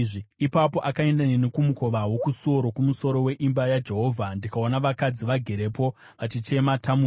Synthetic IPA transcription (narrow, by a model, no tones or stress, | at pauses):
ʐiipapo̞ʔakae̞ndanenekumuko̞ʋawo̞kuso̞ɾo̞kumuso̞ɾo̞we̞ʔimbajad͡ʒe̞ɦo̞ːvʱandikao̞naʋakad͡ziʋaɡʱe̞ɾe̞po̞ | ʋat͡ʃit͡ʃe̞matʰamu